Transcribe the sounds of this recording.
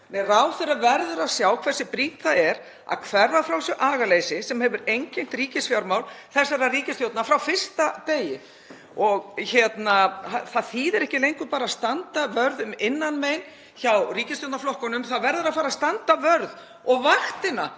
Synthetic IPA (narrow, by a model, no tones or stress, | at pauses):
nɛrawθɪɾavɛɾðʏɾaðsjaːwkʰv̥ɛrsɪpɾiːt̪θaðɛɾ | a̰ðkʰvɛrðafɾawsjɛʔaːɣaleːjsɪsɛmhɛvʏɾejɲcɪn̥t̪ɾiːcɪsfjawɾmawlθɛsːaɾariːcɪst̪jowt̪nafɾawfɪr̥st̪at̪eːjɪ | ɔɣçɛt̪naaθaðθiːðɛɾɛhcɪlejɲŋkʏpaːɾaðst̪ant̪avœɾðʏmɪnːanmejn | çawriːcɪst̪jowt̪naflɔhkɔnʏmθaðvɛɾðʏɾafaːɾaðst̪ant̪avœɾð | ɔɣvaht̪ɪna